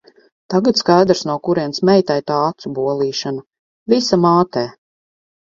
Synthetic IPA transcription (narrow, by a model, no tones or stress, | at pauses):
t̪aɡat̪skajd̪ɾsnawkuɾiɛnsmɛjt̪ɛjt̪aːat̪subuɔlˠiːʃana | visamaːt̪ɛː